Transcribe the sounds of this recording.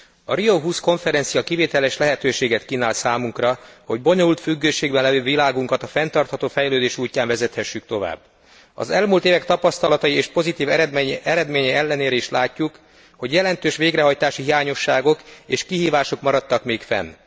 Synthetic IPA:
ɒɾioɦuːsko̞ɱfɛɾɛnsijɒkiveːt̪ɛlɛʃlɛɦɛt̪øːʃeːɡɛt̪kiːnaːlsaːmuŋkrɒho̞ɟbo̞ɲolult̪fyɡːøːʃeːɡbɛnlɛvøːvilaːɡuŋkɒt̪ɒfɛnt̪ɒrt̪hɒt̪oːfɛjløːd̪eːʃuːcːaːɱvɛzɛt̪hɛʃːykt̪o̞va̰ːbː | ɒ̰zɛlmuːlt̪eːvɛkt̪ɒpɒst̪ɒlɒt̪ɒjieːʃpo̞zit̪iːvɛɛɾɛd̪meːɲɛɛlːɛneːɾɛiʃlaːcːuk | ho̞ɟjɛlɛnt̪øːʃʋeːɡɾɛɦɒjt̪aːʃiɦijaːɲo̞ʃːaːɡo̞keːʃkiɦiːvaːʃo̞kmɒɾɒt̪ːɒkmeːkfɛ̰n

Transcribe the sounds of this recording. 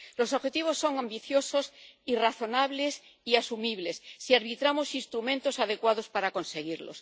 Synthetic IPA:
lo̞soβxe̞t̪iβ̞o̞sːo̞ŋambiθjo̞so̞siraθo̞naβles | iasumiβle̞sːiaɾβ̞it̪ɾamo̞sinst̪ɾumẽnt̪o̞saðekwaðospaɾako̞nse̞ɣ̞iɾlo̰s

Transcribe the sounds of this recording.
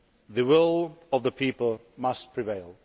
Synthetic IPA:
ðɨwɪlˠʌvðəpʰipəlˠ | mʌst̚pʰɹ̥ɪveɪlˠ

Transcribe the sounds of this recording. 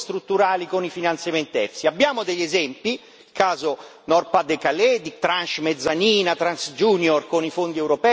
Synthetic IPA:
st̪ɾut̪ːuɾaːlikonifinant̪sjamɛnt̪ɛfsiabːjaːmʊd̪ɛʎːɛzɛmpi | kaːzo | nɔrpad̪ekalɛd̪it̪ɾanʃmɛd̪zːaniːnat̪ɾansd͡ʒuːnjɔrkonifond̪iɛwɾopɛ

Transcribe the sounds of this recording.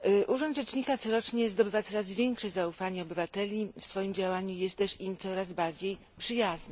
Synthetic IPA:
ʔuʐɔnd̪ʐɛt͡ʂɲikat̪sɔɾɔt͡ʂɲɛzd̪ɔbɘvat̪sɔɾazvʲjɛŋkʂɛzaufaɲɛɔbɘvat̪ɛlʲifsfɔjimd͡ʑawaɲujɛst̪t̪ɛʂimt̪sɔɾazbaɾd͡ʑej | pʂɘjaznɘ

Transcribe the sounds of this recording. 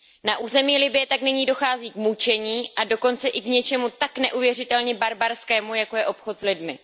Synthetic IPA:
naʔuːzɛmiːlɪbɪjɛt̪aknɛɲiːdo̞xaːziːkmut͡ʃɛɲiːʔado̞ko̞nt͡sɛʔɪkɲɛt͡ʃɛmut̪aknɛʔuvjɛr̝ɪt̪ɛlɲɛbaɾbaɾskɛːmujako̞jɛʔo̞pxo̞t̪zlɪdmɪ

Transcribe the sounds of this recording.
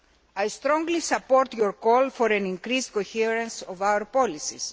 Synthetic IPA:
ajst̪ɾõŋɡlisɐpoɾt̪joɾkolfoɾẽnĩŋkɾizkoçiɾɐ̃nsovawəɾpolisḭs

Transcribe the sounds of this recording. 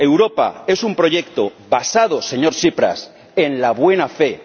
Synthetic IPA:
e̞wɾo̞pa̰e̞sumpɾo̞ʝe̞kt̪oβasað̞ose̞ɲo̞ɾsipɾa̰s | enlaβwe̞nafe̞

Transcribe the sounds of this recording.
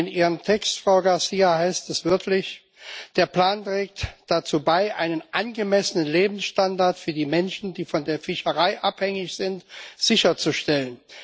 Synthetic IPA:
ɪnʔiːʁəmtʰɛkstfʁ̥aʊɡaɐsiːahaɪstɛsv̥ɪɐklɪç | d̥eːɐpl̥aːntʁ̥ɛːk̚td̥at͡suːbaɪʔa̰ɪnənʔanɡəmɛsənənleːbm̩sʃtandaɐtfyːɐdiːmɛnʃn̩diːfɔndeːɐfɪʃəʁaɪʔa̰phɛŋɪçz̥ɪntz̥ɪçɐt͡suʃtɛlən

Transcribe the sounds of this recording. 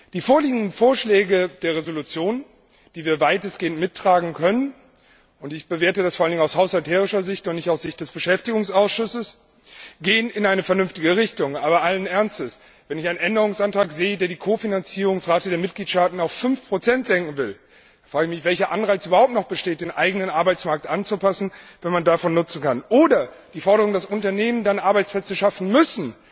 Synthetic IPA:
d̥iːfoːɐliːɡŋ̩dn̩foːɐʃlɛːɡəd̥eːɐʁezolut͡sjoːn | d̥iːviːɐvaɪtəsɡ̥eːəntmɪtːʁ̥aːɡŋ̩kʰœnən | ʔʊntɪçb̥əveːɐtədasfoːɐalndɪŋnaʊshaʊshaltʰɛːʁ̞ɪʃɐzɪçtʊntnɪçtaʊsz̥ɪçt̚d̥ɛsb̥əʃɛftɪɡʊŋsaʊsʃʊsəs | ɡ̥eːənɪnʔaɪnəfɛɐnʏɱftɪɡəʁ̞ɪçtʊŋʔaːbɐʔalənʔɛɐnstəs | vɛnɪçaɪnənʔɛndəʁ̞ʊŋsʔantʁ̥aːkz̥eːədeːɐdiːkʰoːfinant͡siːʁ̞ʊŋsʁaːtədeːɐmɪt̚ɡ̥liːtʃtaːtn̩aʊfːʏnfpʁ̥ot͡sɛntz̥ɛŋkŋ̩vɪl | fʁ̥aːɡəçmɪçv̥ɛlçɐʔanʁaɪt͡syːbɐhaʊp̚tnɔχtb̥əʃteːt̚d̥eːnʔaɪɡənənʔaɐbaɪt͡smaɐk̚tʔant͡supasn̩vɛnmandafɔnːʊt͡sn̩kanʔoːdɐ | d̥iːfɔɐɾəʁ̞ʊŋdasʔʊntɐneːməndanʔaɐbaɪt͡splɛt͡səʃafn̩mʏsn̩

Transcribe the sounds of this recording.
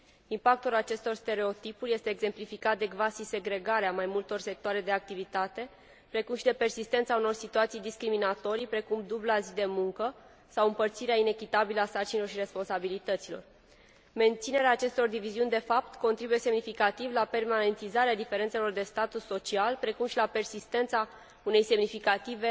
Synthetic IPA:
impak̚t̪ulat͡ʃe̞st̪o̞rst̪e̞ɾe̞o̞t̪ipurʲje̞st̪eːɡze̞mplifikat̪̚d̪e̞ɡvasise̞ɡɾe̞ɡaɾeamajmult̪o̞rse̞k̚t̪oaɾe̞d̪eak̚t̪ivit̪at̪e̞ | pɾe̞kumʃid̪e̞pe̞rsist̪e̞nt̪sauno̞rsit̪uat̪sijd̪iskɾiminat̪o̞ɾipɾe̞kumd̪ublazid̪e̞muŋkə | sawɨmpərt̪siɾeaine̞kʲit̪abiləasart͡ʃinilo̞rʃiɾe̞spo̞nsabilit̪ət̪silo̞̰r | me̞nt̪sine̞ɾeaːt͡ʃe̞st̪o̞rd̪iviziunʲd̪e̞fapt̪ko̞nt̪ɾibuje̞se̞mnifikat̪ivlape̞rmane̞nt̪izaɾead̪ife̞ɾe̞nt̪se̞lo̞rd̪e̞st̪at̪usːo̞t͡ʃialpɾe̞kumʃilape̞rsist̪e̞nt̪sa | une̞jse̞mnifikat̪ive

